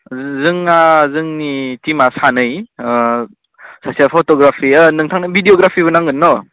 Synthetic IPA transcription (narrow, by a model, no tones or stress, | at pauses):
zɯŋazɯŋnitimasanɯj | sasiapʰɔtɔɡɾapʰianɯŋtʰaŋnɯbʱidioɡɾapʰibɯnaŋɡɯnːɔ